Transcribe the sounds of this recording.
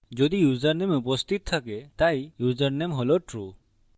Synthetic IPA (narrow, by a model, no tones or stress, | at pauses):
d͡ʒod̪ijuzəɾnemupɔst̪ʰit̪̚t̪ʰakɛt̪ajjuzəɾnɛmɦɔlɔʈɾu